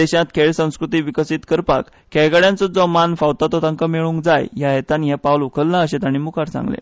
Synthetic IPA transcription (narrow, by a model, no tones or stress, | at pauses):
ɛɕãt̪kʰeɭsə̃w̃skɾut̪iːʋikəsit̪kəɾpa̰k | kɛjɡaɽjant͡sɔd͡zɔmanfawt̪at̪ɔt̪ãŋkameɭũŋkd͡zajjaɦet̪anɦɛpawlukʰəlnaəɕet̪aɽ̃imukʰaɾt͡sa̰ŋɡlḛ